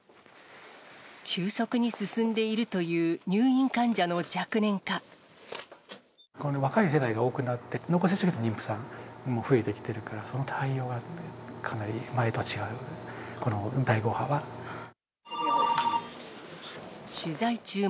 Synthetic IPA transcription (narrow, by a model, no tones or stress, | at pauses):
kʲɨːso̞kɯ̟ɲ̟isɨsɨ̃nd̪e̞iɾɯ̟t̪o̞jɯ̟ːɲ̟ɨːĩŋkãɲd͡ʑano̞d͡ʑakɯ̟nẽ̞ŋka | konoβakais̬e̞d̪aiɡao̞ːkɯ̟nat̪ːe̞nokos̬et͡ɕokɯt̪oɲ̟ĩmpɯ̟̥sãŋmoɸɯ̟e̞t̪e̞kʲi̥t̪e̞ɾɯ̟kaɾaso̞not̪ʰaio̞ːɡakʰanaɾʲimae̞t̪ot͡ɕiɡaɯ̟konod̪aiɡo̞ːhaβa | ɕɨzait͡ɕɨː